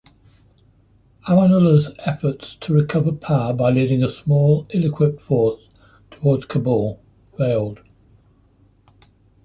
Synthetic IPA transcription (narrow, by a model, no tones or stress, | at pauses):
aə̃nələzɛfətstʰəɹɪkʰʌvəpʰaəbaɪliːɾɪ̃ŋəsmɔːlɪlɪkʰw̥ɪp̚tfɔˑs | tʰəwɔːdz̥kʰəbəlˠ | ɹeɪlˠd̥